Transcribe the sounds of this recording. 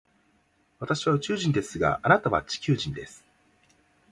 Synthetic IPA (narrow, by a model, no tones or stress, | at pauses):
βat̪aɕiβaɯ̟t͡ɕɨːʑĩnd̪e̞sɨɡa̰anat̪aβa̰t͡ɕi̥kʲɨːʑĩnd̪esɨ̥